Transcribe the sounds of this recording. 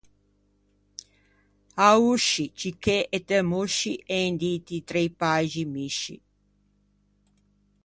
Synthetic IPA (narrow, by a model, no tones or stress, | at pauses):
auʃit͡ʃikeʔet̪emuʃiʔend̪it̪it̪ɾejpaʒimiʃḭ